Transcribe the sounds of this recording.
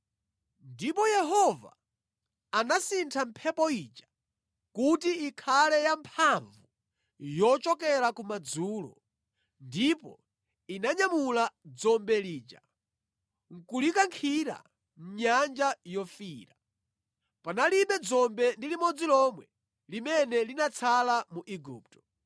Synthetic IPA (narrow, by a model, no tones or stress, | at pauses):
ndipɔjɛɦɔva̰ː | nasintʰam̩pʰɛpɔit͡ʃḁ | kutiːkʰalɛjampʰaɱvu | jɔt͡ʃɔkɛɾakumad͡zuːlɔ̰ | ndipɔ̰ | inaɲamulad͡zɔmbɛliːt͡ʃa̰ | ŋ̩kulikaŋkʰiɾa̰ | m̩ɲand͡ʒajɔfiːɾa | panaliɓɛd͡zɔmbɛndilimɔd͡zilɔmwɛ | limɛnɛlinat͡sʰalamuʔiɡuːptɔ̥